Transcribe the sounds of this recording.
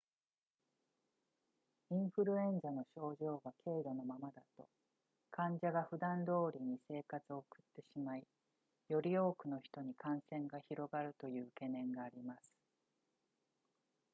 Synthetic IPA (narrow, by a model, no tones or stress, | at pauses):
ĩɰ̃ɸɯ̟ɾɯ̟ẽ̞ɲzano̞ɕo̞ːʑo̞ːɡakʰe̞ːɾono̞mamad̪at̪o̞ | kãɲ̟d͡ʑaɡaɸɯ̟d̪ãnd̪o̞ːɾʲiɲ̟ise̞ːkat͡sɨo̞ːkɯ̟̥t̪ːe̞ɕimai | jo̞ɾʲio̞ːkɯ̟no̞çi̥t̪o̞ɲ̟ikãɰ̃sẽ̞ŋɡaçiɾo̞ɡaɾɯ̟t̪o̞jɯ̟ːke̞nẽ̞ŋɡaːɾʲimasɨ̥